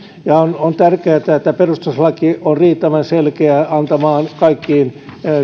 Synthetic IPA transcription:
jɑonont̪ærkeæt̪æet̪ːæperust̪uslɑkionriːt̪ːæʋænselkeæɑnt̪ɑmɑːnkɑikːiːn

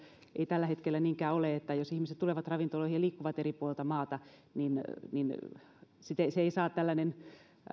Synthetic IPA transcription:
ʔeit̪ælːæhet̪kelːæniːŋkæːoleet̪ːæjosihmiset̪t̪uleˑʋɑt̪rɑʋint̪oloˑihijɑliːkːuʋɑt̪eripuolĕlt̪ɑmɑːt̪ɑninnin | sit̪eseeisɑːt̪t̪ælːænen

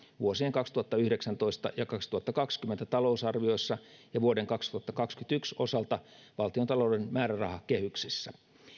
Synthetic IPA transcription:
ʋuosieŋkɑkst̪uɑt̪ːɑyhɾeksænt̪oist̪ɑ̰jɑkɑkst̪uhɑt̪ːɑkɑkskyment̪æt̪ɑlousɑrʋio̞isːɑjɑʋuodeŋkɑkst̪uhɑt̪ːɑkɑkskyt̪ykso̰sɑlt̪ɑ | ʋɑlt̪iont̪ɑloudenmæːɾærɑ̰hɑkkehyksisːæ

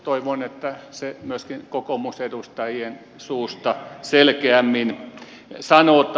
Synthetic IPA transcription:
t̪oiʋonet̪ːæsemyøskinkokomusedust̪ɑjien | suːst̪ɑselkeæmːin | sɑnoːt̪

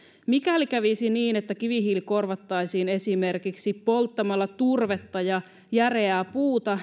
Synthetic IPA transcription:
mikælikæʋisiniːnet̪ːækiʋiɦilko̞rʋɑt̪ːɑjsiːne̞sime̞rkiksippːo̞lt̪ːɑmɑlːɑt̪urʋe̞t̪ːɑjɑ | jæreæːpuːt̪ɑ

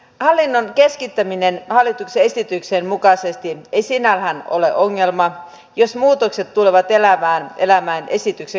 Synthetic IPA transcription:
hɑlːinːonkeskit̪ːæminenhɑlːit̪ukseesit̪yksenmukɑsest̪iejsinːælhæno̰lḛʔoŋːe̞lmɑ | jo̞smuːt̪okse̞t̪tuleʋɑt̪elæmæːnʔelæmæːnʔesit̪ykse

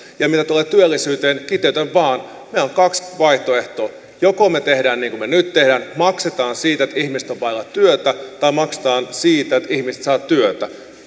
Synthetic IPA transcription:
jɑmit̪æt̪uleːt̪yølːisyːt̪eːnkit̪eyt̪eʋʋɑːn | miæoŋkɑksʋɑiht̪oeht̪oː | jokomet̪ehdæːnniːŋkumenyt̪t̪ːehdæːnmɑkset̪ɑːnsiːt̪æet̪æihmiset̪oʋʋɑilːɑt̪tyøt̪æt̪ɑimɑkse̥t̪ɑːnsiːt̪æet̪ihmiset̪sɑːt̪t̪ːyøt̪æ

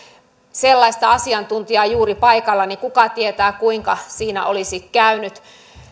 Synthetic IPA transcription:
selːɑist̪ɑɑsiɑnt̪unt̪iɑjuːɾipɑikɑlːɑnikukɑt̪iet̪æːkuiŋkɑsiːnæ̰ʔolisikkæynyt̪

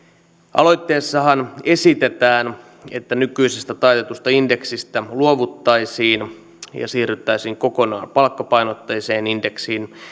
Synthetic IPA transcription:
ɑ̰lo̞jt̪ːeːsːɑɦɑne̞sit̪et̪æːn | e̞̰t̪ːænykyisest̪æt̪ɑjt̪et̪ust̪ɑinde̞ksist̪æluoʋut̪ːɑisiːn | jɑ̰siːryt̪ːæisiːŋko̞ko̞nɑ̰ːnpɑlkːɑpɑjnot̪ːɑjiseːninde̞ksiːn

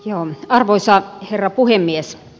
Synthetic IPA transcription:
joːɑrʋoisɑherːɑpuhemːies

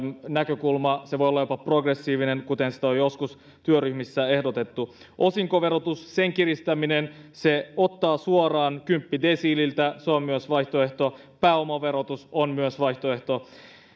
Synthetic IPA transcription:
nækø̞kulmɑseʋo̞jolɑjopɑpro̞ɡresːiːʋine̞ŋkut̪e̞nsi̥t̪æojo̞skus | t̪yøryhmisːæe̞hdot̪e̞t̪ːu | ʔo̞siŋko̞ʋe̞ɾot̪usse̞ŋkirist̪æminenseo̞t̪ːɑːsuorɑːnkympːide̞siːlilt̪æsoɑmyøsʋɑjht̪oe̞ht̪o̞ | pæːomɑʋe̞ɾot̪usonmyøsʋɑjht̪oe̞ht̪o̞

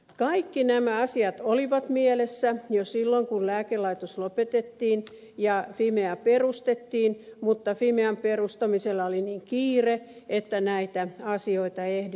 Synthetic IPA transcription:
kɑikːinæmæɑsiɑt̪oliʋɑt̪mielesːæjosilːoŋkullæːkelːɑit̪oslopet̪et̪ːiːn | jɑfimeæperust̪et̪ːiːnmut̪ːɑfimeæmperust̪ɑmiselːæoliniːŋkiːreet̪ːænæit̪æɑsioit̪ɑehd

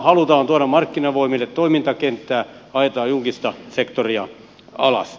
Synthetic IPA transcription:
hɑlut̪ɑːnt̪uoɾɑmmɑrkːinɑʋoimilːet̪t̪oimint̪ɑkent̪ːæːɑet̪ɑːjulkist̪ɑsekt̪oriɑ | ɑlɑ̰s

